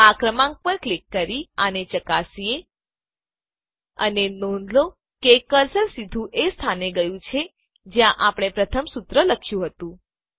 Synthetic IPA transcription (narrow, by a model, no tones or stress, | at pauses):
akɾəmãŋɡ̚pəɾklikːəɾianet͡ʃəkasie | ə̰nenonlo | kekəɾsəlsid̪ʱũʔest̪ʰaneɡəjũt͡ʃʰe | d͡ʒjãʔapɽ̃epɾət̪ʰəmsut̪ɾələkʰjũɦət̪ũ